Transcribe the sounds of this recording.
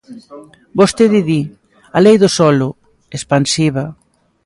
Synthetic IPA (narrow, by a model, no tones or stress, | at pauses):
bost̪eðɪði | alejðʊsɔlʊ | espansiβa